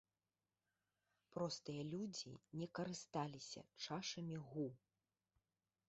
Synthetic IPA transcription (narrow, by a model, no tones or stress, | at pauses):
pɾɔst̪ɨjɐlʲud͡zʲḭnʲɛkɐɾɨst̪alʲisʲɐ̰t͡ʂaʂɐmʲiɣu